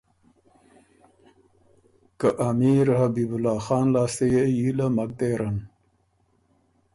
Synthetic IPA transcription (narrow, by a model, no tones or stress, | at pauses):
kaʔamiːɾhabiːbulɑːxɑːnlɑːst̪ejejilamak̚d̪eːɾan